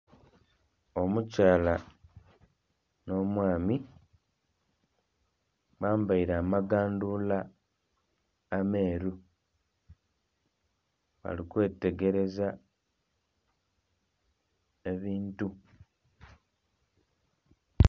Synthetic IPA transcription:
o̞mucaːla | no̞ːmwaːmi | βaːmbaiɾaːmaɡaːndula | me̞ːɾu | βa̰likwe̞ːtːe̞ɡe̞ɾe̞za | e̞βiːntu

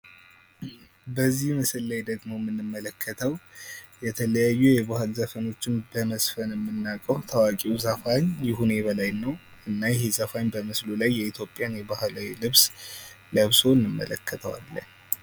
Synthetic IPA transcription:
bəzːihmɨsɨlːajd̪əɡmo̞mɨnːɨmːələkʰːət̪ʰəwjɛt̪ʰələjajːujɛbahɨlzəfəno̞t͡ʃːɪnbəməsfənjɛmːɨnːakʼəwt̪ʰawakʼiwzəfaɲjɪhune̞βəlajnəwʔɨnːajɛɦezəfaɲbəmɨslulajːɛit̪ʰjo̞pʼːjanjɛbahlawilɨβs | ləβso̞nːɨmːə̰lə̰kʰːət̪ʰəwa̰lːə̰ɲ

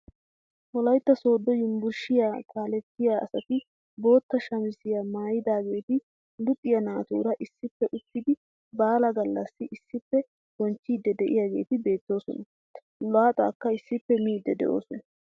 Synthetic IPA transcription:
wɔlɐjt̪ːɐso̞ːd̪ːɔjʊmbʊɾʃɪjaːkʼaːlɛt̪ːɪjaːɐ̰sɐt̪ɪ | bo̞ːt̪ːɐʃɐmɪsɪjamaːjɪd̪aːɡe̞ːt̪ɪ | lʊpʼːɪjɐnaːt̪ṵːɾɐʔɪsːɪpːɛʔʊt̪ːɪd̪ɪ | baːlɐɡɐlːɐsːɪʔɪsːɪpːɛ | ɡ̥ɔnt͡ʃːiːd̪ːɛd̪ɛʔɪjaːɡe̞̰ːt̪ɪbe̞ːt̪ːo̞ːsɔ̰nɐ | lɔaːt̪ʼa̰ːkːɐɪsːɪpːɛmiːd̪ːɛd̪ɛ̰ʔo̞̰ːsɔnɐ

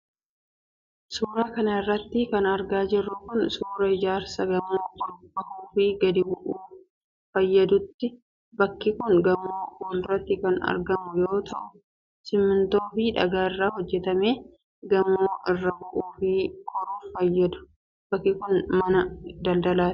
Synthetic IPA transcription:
suːɾaːkɐnɐɪrːɐt̪ːɪkɐnɐɾɡaːd͡ʒɪrːʊkʊnsuːɾɐɪd͡ʒaːɾsɐɡɐmoːkɔlbɐhuːfiɡɐd̪ɪbʊʔuː | fɐjːɐd̪ʊt̪ːɪ | bɐkːɪkʊnɡɐmoːɔlrːɐt̪ːɪkɐnɐ̰ɾɡɐmʊjo̞ːt̪ʰɐʔʊ̥ | sɪmːɪnt̪oːfɪᶑɐ̰ɡaːɪrːaːhɔd͡ʒːɛt̪ɐmeː | ɡɐmoːʔɪrːɐbʊʔuːfiːkʰɔɾuːfɐjːɐd̪ʊ̥ | bɐkːɪkʊnmɐnɐd̪ɐld̪ɐlaːt̪

